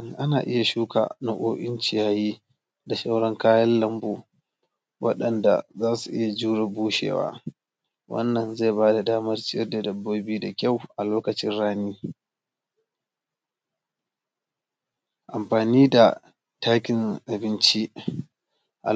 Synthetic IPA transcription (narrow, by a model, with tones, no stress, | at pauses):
ŋʔa˦naː˨ʔɪ˦ja˨ʃuː˦ka̰ː˨na˨ʔoː˦ʔɪ˦nt͡ʃɪ˨jaː˦jiː˦ | da˨ʃa˦wɽɔ˦ŋkaː˦jɐ˦llɐ˦mboː˨ | wʔɐ̰˦ɗɐ˨nda̰˨zaː˦su˨ʔɪ˦ja˨d͡ʒuː˦ɽa˨buː˦ʃḛː˨wa̰ː˦ | wʔɐ̰˦nːɐ˨nza˦˨baː˦da˨daː˦mɐ˦rt͡ʃɪ˦ɛ˦rda˨dɐ˨bːoː˦biː˦da˨kʲa˦˨wʔa˨loː˦kɐ˨t͡ʃɪ˦nɽaː˦niː˦ | ʔa˨mɸaː˨niː˦da˨ | taː˦kʲɪ˨ŋʔa˨bɪ˦nt͡ʃi˦ | ʔa̰˨